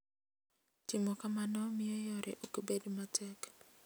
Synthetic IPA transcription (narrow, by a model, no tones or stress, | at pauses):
tɪmɔkamanɔmɪojɔɾʔɛ̰ʔokibedmatʰɛk